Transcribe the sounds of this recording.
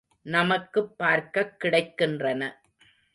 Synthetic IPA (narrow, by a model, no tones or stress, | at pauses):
nɐmɐkːɯpːaːɾkɐkːɪɽɐɪkːɪndrɐnɐ